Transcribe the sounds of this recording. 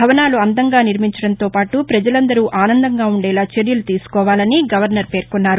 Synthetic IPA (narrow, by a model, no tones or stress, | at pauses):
bʱɐʋɐnaːluɐnd̪ɐŋɡaːniɾmiɲt͡ʃɐɽɐnt̪o̞ːpaːʈupɾɐd͡ʒɐlɐnd̪ɐɾuːʔʔaːnɐnd̪ɐŋɡaːuɳɖɛːlaːt͡ʃeɾjɐlut̪iːsu̥kɔːʋaːlɐniɡɐʋɐɾnɐɾpe̞ːɾkunːaːɾu